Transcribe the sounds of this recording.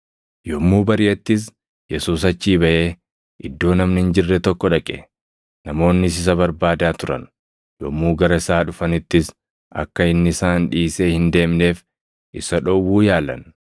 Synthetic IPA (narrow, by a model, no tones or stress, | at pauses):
jɔmːuːbɐɾɪjɛt̪ːɪs̬ | jɛsuːsɐt͡ʃːiːbɐʔe̞ː | ʔɪd̪ːo̞ːnɐmnɪɪnd͡ʒɪrːɛt̪ɔkːɔᶑɐkʼɛ̰ | nɐmo̞ːnːɪs̬ɪs̬ɐbɐɾbaːd̪aːt̪ʊɾɐ̰n | jɔmːuːɡɐɾɐɪsaːᶑʊfɐnɪt̪ːɪs | ʔɐ̰kːɐɪnːɪsaːnᶑiːse̞ːhɪnd̪e̞ːmne̞ːf | ʔɪsɐᶑɔwːuːjaːlɐ̰n